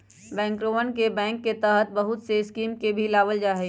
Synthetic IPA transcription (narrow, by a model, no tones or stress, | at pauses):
bɛ̃ːŋkɾoːʋənkebɛ̃ːŋkːet̪ɛːɦət̪̚bəɦʊt̪seskiːmkebʱilaːbəld͡ʒaːɦɛ